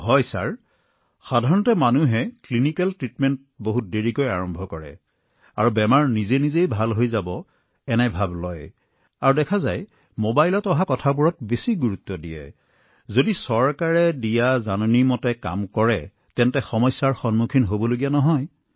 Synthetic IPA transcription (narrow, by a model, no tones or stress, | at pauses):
ɦɔjsaɹ | xadʱaɹɔntɛmanuɦɛklinikɛltɹitmɛnt̚ | boɦut̚deɹikojaɹɔmbʱɔkɔɹɛ̰ | a̰ɹubɛmaɹnizenizejbʱalɦojzabɔ | ɛnɛbʱablɔj | aɹudɛkʰaza̰j | mobajlɔtɔɦakɔtʰabuɹɔt̚besiɡuɹut̪ːɔdijɛ̰ | zodisɔɹkaɹɛdijazanɔnimɔtɛka̰mkɔɹɛ | tɛntɛxɔmɔjsaɹxɔnmukʰinɦobɔloɡijanɔɦɔj